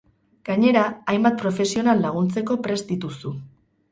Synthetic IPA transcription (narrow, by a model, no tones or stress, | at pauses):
ɡ̥aɲe̞ɾaːjmbat̪̚pɾo̞fe̞sio̞nalːaɣ̞unt͡se̞ko̞pɾe̞zd̪it̪usu